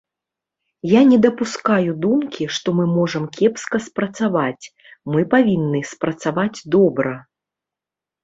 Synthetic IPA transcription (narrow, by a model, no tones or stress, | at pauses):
janʲɛd̪ɐpuskajud̪umkʲiʂt̪ɔmɨmɔʐɐmkʲɛpskɐspɾɐt̪savat͡sʲ | mɨpavʲinːɨspɾɐt̪savad͡zʲd̪ɔbɾɐ